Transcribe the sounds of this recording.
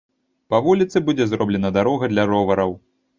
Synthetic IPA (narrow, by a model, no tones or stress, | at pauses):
pavulʲit̪sɨbud͡zʲɛzɾɔblʲɛnɐd̪aɾɔɣɐd̪lʲɐɾɔvɐɾɐw